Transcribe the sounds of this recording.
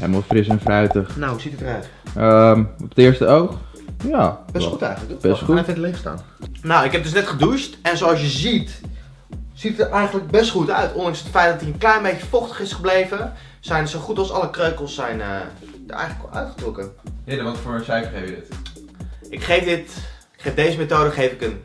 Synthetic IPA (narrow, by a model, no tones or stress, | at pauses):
hɛ̰məlˠfrɪsɛnfœɥtəχnawuzitətərœɥt | əmɔpətɪɹstə̰owχ | jabɛstχutɛ̰jχənləkb̥ɛstχuɪtlɪfsta̰ːn | nowɪkɦɛp̚dɵs̬nɛtχədustɛnsoɑlˠs̬jəzit | z̥itətɛjχənləɡ̚bɛstχutœɥtɔndɑŋsətfɛjt̚dɑtiənklɛjnbejcəfɔχtə̥χɪsχəblejvə | z̥ɛjnəsowχutɑlˠsɑləkrøɥkəl̩ˠsːɛjnə̰ | də̰jələkœ̰ɥtχətrɔkəhɪdəʋɑtfʊːɹsɛjfəχefjədɪt | ʔɪkχejfdɪt | ɪkχejvdejzəmetowdəχejfɪkən